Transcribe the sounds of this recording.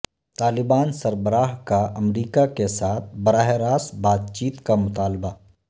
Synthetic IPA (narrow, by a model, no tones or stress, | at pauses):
t̪aːlɪbaːnsɐɾbəɾaːɦkaʔɐmɾiːkakesaːt̪ʰbɐɾaːɦeɾaːsbaːt̪̚t͡ʃiːt̪kamʊt̪aːlba